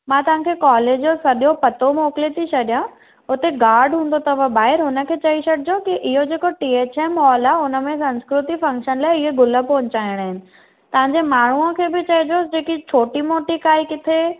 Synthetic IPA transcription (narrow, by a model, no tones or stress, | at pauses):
mãːt̪ɐʋ̤ãkʰeːkɔːleːd͡ʑd͡ʑoːsɐɗijopɐt̪omoːkɪlet̪ʰit͡ɕʰɐɗijã | ʊt̪eɡaːɾɖɦũːnd̪ot̪ɐʋə̃baːɦɪɾɦʊnə̆kʰeːt͡ɕɐiɕɐɽɪd͡ʑokiʔɪɦod͡ʑeːkoʈiːeːt͡ɕeːmɔːlaːʊnə̆mẽsɐ̃nskɾʊt̪ifɐ̃ŋkʃənlaːɪɪɦeɡʊləpoɦɲt͡ɕaːɪɽ̃aːɦɪnɪ̆ | t̪ɐʋ̤ãɲd͡ʑemaːɳ̤uəkʰeːbɪt͡ɕɐɦid͡ʑosd͡ʑeːkit͡ɕʰoːʈimoːʈikaːikɪt̪ʰe